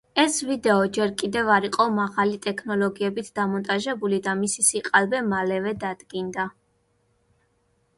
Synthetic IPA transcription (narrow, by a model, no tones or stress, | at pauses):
ɛsvid̪ɛɔd͡ʒɛɾkʼid̪ɛvaɾiqʼɔmaʁalit̪ʼɛkʰnɔlˠɔɡiɛbit̪ʰd̪̥amɔnt̪ʼaʒɛbulid̪amisisiqʼalˠbɛmalɛvɛd̪ad̪̥ɡind̪a